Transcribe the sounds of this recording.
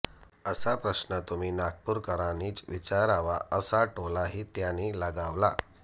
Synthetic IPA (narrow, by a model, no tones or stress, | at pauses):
əsapɾəɕnət̪um̤iːnaɡ̚puːɾkəɾaniːt͡sʋit͡ɕaɾaʋa̰ʔəsaʈolaɦiːt̪janiːlaɡaʋla